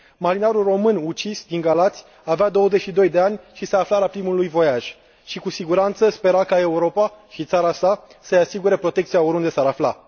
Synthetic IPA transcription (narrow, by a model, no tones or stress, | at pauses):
maɾinaɾulro̞mɨnut͡ʃisd̪iŋɡalat̪sʲ | avead̪o̞wəzet͡ʃʃid̪o̞jd̪e̞anʲʃisaːflaɾapɾimulujvo̞jaʒ̥ | ʃikusiɡuɾant̪səspe̞ɾakae̞uɾo̞paʃit̪saɾasasəjasiɡuɾe̞pɾo̞t̪e̞k̚t̪sijaoɾund̪e̞saɾafla